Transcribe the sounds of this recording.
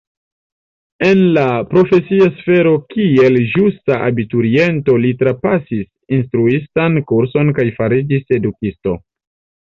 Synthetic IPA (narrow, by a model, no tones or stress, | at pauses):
e̞nlapɾo̞fe̞siasfe̞ɾo̞kie̞ld͡ʒustaʔa̰bituɾie̞nto̞litɾapasis | instɾuistankuɾso̞nkajfaɾid͡ʒise̞dukisto̞̰